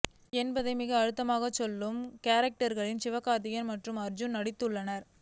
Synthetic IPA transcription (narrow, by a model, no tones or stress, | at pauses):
ɛnbɐðɐɪmɪɣɐːɻɯt̪ːɐmaːɣɐt͡ʃːɔlːɯmkaːɾɐk̚ʈɐɾɣɐɭɪnsɪʋɐkːaːɾt̪ɪjɐnmɐʈrɯmɐɾd͡ʒʊnnɐɽɪt̪ːɯɭːɐnɐɾ